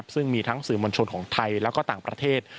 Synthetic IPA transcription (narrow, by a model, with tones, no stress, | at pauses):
p̚sɯ˥˩ŋmiː˧t̪ʰa˦˥ŋsɯː˨˩mo˧nt͡ɕʰo˧nkʰɔː˩˦ŋt̪ʰa˧jlɛː˦˥wkɔː˥˩t̪aː˨˩ŋpɾa̰˧t̪ʰeː˥˩t̪̚